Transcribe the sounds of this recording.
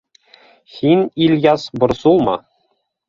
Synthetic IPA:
xinʲilʲjɑsbɤ̆ɾsulˠmɑ̰

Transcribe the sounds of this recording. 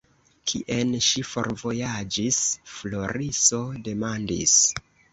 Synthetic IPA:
kʰḭʔenʃifo̞̰ɾvo̞jad͡ʒisflo̞ɾiso̞de̞mandḭs

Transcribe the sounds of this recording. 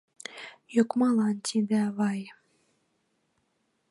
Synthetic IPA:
jokmɑlˠɑnt̪ʲʰid̪ævɑj

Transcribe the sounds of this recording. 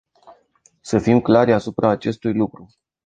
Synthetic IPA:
səfimklaɾʲasupɾaːt͡ʃe̞st̪ujlukɾu

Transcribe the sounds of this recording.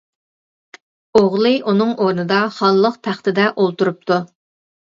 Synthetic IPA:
oʁlˠɨʔunɨŋʔoɾnɨd̪ɑχɑlˠːəqp̪ʰæχt̪ɪd̪ɛʔolˠt̪uɾup̚t̪ʰu

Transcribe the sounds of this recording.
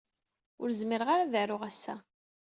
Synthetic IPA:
ʊɾzməɾəʁaɾaðaɾʊʁæsːæ̰

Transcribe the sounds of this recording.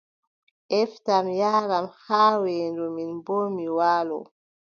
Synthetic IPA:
ʔɛftamjaːɾamhaːwɛːndɔminboːmiwaːlɔ̰

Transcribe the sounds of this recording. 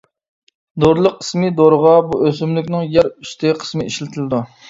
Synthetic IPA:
d̪oɾlˠəqə̥smɪd̪oɾʁɑbuøzymlykʲnɪŋjɛɾy̥st̪ʰɪqʰə̥smɪiʃlɪt̪ʰɪlɪd̪u

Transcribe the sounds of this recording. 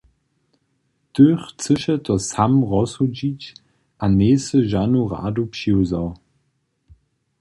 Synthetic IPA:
tøːχt͡səʃətɔsamʁɔsud͡ʑit͡ɕ | ʔaneːsəʒanuʁa̰ːdupʃiwzaw

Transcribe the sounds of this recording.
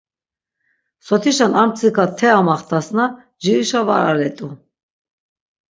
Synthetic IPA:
sɔt̪ʰiʃanamt͡sʰikʰat̪ʰɛamaχt̪ʰasna | d͡ʒiiʃava̰ɾa̰ɾɛt̪ʼu

